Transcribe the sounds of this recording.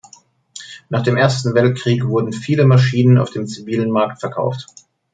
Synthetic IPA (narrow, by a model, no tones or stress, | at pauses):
naːχd̥eːmʔeːɐstn̩vɛlt̚kʁ̥iːkv̥ʊɐdn̩fiːləmaʃiːnəna̰ʊfd̥eːmt͡siviːlənmaɐktfɛɐkʰa̰ʊft